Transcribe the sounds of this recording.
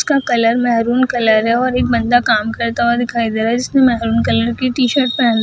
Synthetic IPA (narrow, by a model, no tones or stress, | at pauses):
skakɐləɾmɛɦɾuːnkɐləɾɦɛɔːɾek̚bɐ̃nd̪akaːmkɐɾt̪awad̪ɪkʰaːid̪eːɾaɦɛd͡ʒɪsnemɛɦɾuːnkɐləɾkiʈiːʃəɾʈ̚pɐɾãn